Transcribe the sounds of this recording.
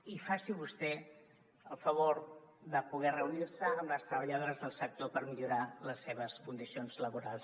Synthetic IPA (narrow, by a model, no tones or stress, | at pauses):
ifasiβust̪ɛ | əlˠfəβ̞oɾðəpuɣɛrəuniɾsəːmləst̪ɾəβəʎəðoɾəzðəlˠsək̚t̪opəɾmiʎuɾaləsːeβ̞əskund̪isionzləβuɾalˠs